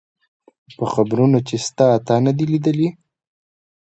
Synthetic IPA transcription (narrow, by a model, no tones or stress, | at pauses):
pəxabɾunot͡ʃest̪ɑːt̪ɑnad̪ilid̪əli